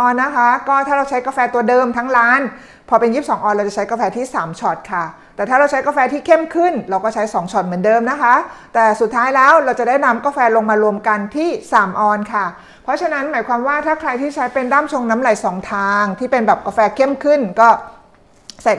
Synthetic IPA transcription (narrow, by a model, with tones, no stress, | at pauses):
ʔɔː˧nːa˦˥kʰa˦˥kɔː˥˩t̪ʰaː˥˩ɾa˧wt͡ɕʰa˦˥jkaː˧fɛː˧t̪u˧ɐdɤː˧mt̪ʰa˦˥ŋɾaː˦˥n | pʰɔː˧pe˧njiː˥˩p̚sɔː˩˦ŋʔɔː˧nɾa˧wt͡ɕa˨˩t͡ɕʰa˦˥jkaː˧fɛː˧t̪ʰiː˥˩saː˩˦mt͡ɕʰɔ˨˩t̪̚kʰa˥˩t̪ɛː˨˩t̪ʰaː˥˩ɾa˧wt͡ɕʰa˦˥jkaː˧fɛː˧t̪ʰiː˥˩kʰe˥˩mkʰɯ˥˩nɾa˧wkɔː˥˩t͡ɕʰa˦˥jsɔː˩˦ŋt͡ɕʰɔ˨˩t̪̚mɯ˩˦ndɤː˧mna˦˥kʰa˦˥t̪ɛː˨˩su˨˩t̪ʰːaː˦˥jlɛː˦˥wɾa˧wt͡ɕa˨˩daː˥˩jna˦˥mkaː˧fɛː˧lo˧ŋmaː˧ɾu˧əmka˧nt̪ʰiː˥˩saː˩˦mʔɔː˧nkʰa˥˩ | pʰɔ˦˥t͡ɕʰa˧na˦˥nmaː˩˦jkʰwaː˧mwaː˥˩t̪ʰaː˥˩kʰɾa˧jt̪ʰiː˥˩t͡ɕʰa˦˥jpe˧ndaː˥˩mt͡ɕʰo˧ŋna˦˥mla˨˩˦jsɔː˨˩˦ŋt̪ʰaː˧ŋt̪ʰiː˥˩pe˧nbɛː˨˩p̚kaː˧fɛː˧kʰe˥˩mkʰɯ˥˩nkɔː˥˩ | sa˨˩